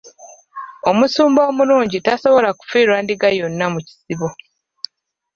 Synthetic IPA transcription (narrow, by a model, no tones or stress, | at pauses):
o̞musuːmbo̞ːmuluːɲɟitaso̞βo̞laku̥fiːɾwaːndiɡajo̞nːamuci̥siβo̞